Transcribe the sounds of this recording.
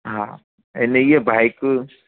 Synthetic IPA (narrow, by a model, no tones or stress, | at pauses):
ɦã | enejebʱajk